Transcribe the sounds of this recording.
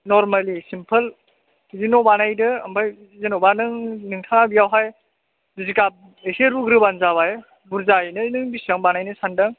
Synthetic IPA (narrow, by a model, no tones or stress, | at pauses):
nɔɾmalisimpʰɐl | zinobanajdɯːmbʰaj | zinobanɯŋnɯŋtʰaŋabijawɦaj | dizikab̚ | eseɾuɡɾɯbanzaβaje | buɾzajnɯnɯŋbisiaŋbanajnɯsandaŋ